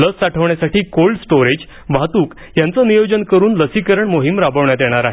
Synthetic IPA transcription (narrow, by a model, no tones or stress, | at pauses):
ləsːaʈʰəʋɳjasaʈiːkolɖsʈoɾed͡ʑ | bʱat̪uːk | jant͡sənijod͡ʑənkəɾuːnləsikəɾəɳmoɦimɾabəʋɳjad̪jɛɽ̃aɾaɦe